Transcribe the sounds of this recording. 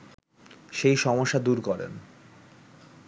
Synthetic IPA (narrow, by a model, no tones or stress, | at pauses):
ʃejʃɔmoʃːad̪uɾkɔɾḛn